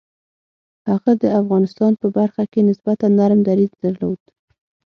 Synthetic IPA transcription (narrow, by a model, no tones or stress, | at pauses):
haɣad̪əafɣɑnɪst̪ɑnpəbaɾxakenɪsbat̪anaɾmd̪aɾizd̪aɾlod̪̥